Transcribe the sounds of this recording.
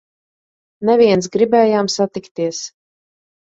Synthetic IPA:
nɛvʲiɛns̬ɡɾibɛːjaːmsat̪ikt̪iɛs

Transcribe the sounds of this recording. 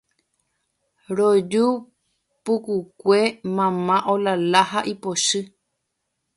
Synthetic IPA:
ɾod͡ʒu | pukukʷe̞mãmãʔolalahaʔipoʃɨ

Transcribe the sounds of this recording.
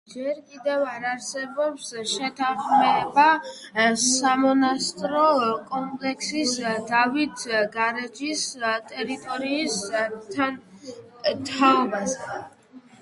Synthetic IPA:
d͡ʒɛɾkʼid̪ɛvaɾaɾsɛbɔpsʃɛt̪ʰaχmɛba | samɔnast̪ʼɾɔkʼɔmpʼlɛkʰsisd̪avit̪ʰɡaɾɛd͡ʒist̪ʼɛɾit̪ʼɔɾiːst̪ʰan | t̪ʰaɔbazɛ

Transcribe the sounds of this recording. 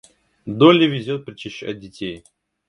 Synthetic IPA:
d̪olʲɪvʲɪzʲot̪̚pɾʲɪt͡ɕɪɕɐ̰dʲɪtʲej

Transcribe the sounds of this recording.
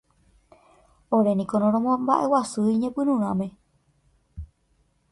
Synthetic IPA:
oɾe̞nĩkonõɾ̃õmõmbaʔe̞wasɨiɲẽpɨɾũɾ̃ãmẽ̞

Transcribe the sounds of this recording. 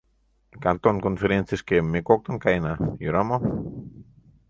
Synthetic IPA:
kant̪oŋkonfeɾenθjeskemekok̚t̪aŋkajnajoɾamo

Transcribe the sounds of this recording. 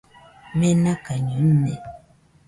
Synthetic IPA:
mɛnakaɲun̩nɛ

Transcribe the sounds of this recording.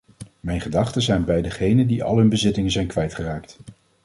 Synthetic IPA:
mɛjnχədɑχtəzɛjnbɛjdəχejnəndiɑ̰lˠɦɵnbəzɪtɪŋənzɛjnkʋɛjtχəraːk̚t

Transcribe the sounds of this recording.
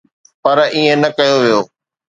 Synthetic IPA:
pɐɾiːẽnɐkɐjoʋijoː

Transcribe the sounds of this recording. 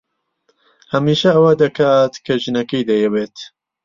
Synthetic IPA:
hɐmiːʃɐɐwɐd̪ɐkaːt̪kʰɐʒɨnɐkɐjd̪ɐjɛweːt̪

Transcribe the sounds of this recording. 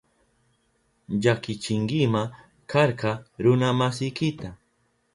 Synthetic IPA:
ʎakɪt͡ʃɪŋɡɪma | kaɾqɑɾʊnamasɪjkɪt̪a

